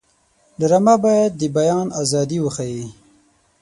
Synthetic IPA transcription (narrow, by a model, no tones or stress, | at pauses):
d̪əɾamabɑjad̪̚ːəbajɑnazɑd̪iwəxaji